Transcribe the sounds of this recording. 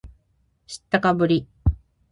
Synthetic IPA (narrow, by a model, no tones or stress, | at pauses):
ɕi̥t̪ːakabɯ̟ɾʲi